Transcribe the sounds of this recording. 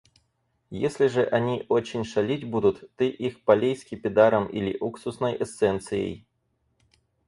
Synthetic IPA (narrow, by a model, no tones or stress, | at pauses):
jesʲlʲɪʐɨʔɐnʲiʔot͡ɕɪnʲʂɐlʲitʲbud̪ʊt̪ːɨʔixpɐlʲejskʲɪpʲɪd̪aɾəmʔḭlʲɪ̰ʔuksʊsnəjʔɛst̪sɛnt̪sɨjḛj